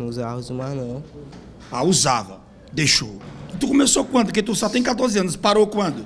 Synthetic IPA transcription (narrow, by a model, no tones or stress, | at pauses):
uzahʊzumanɐ̃w̃ | a̰uzavɐ̰ | d̪eʃoit̪ukomesokw̃ɐ̃nd̪ʊket̪usɔt̪ẽj̃kat̪̬oɾziɐ̃nʊspaɾokwɐ̃nd̪ʊ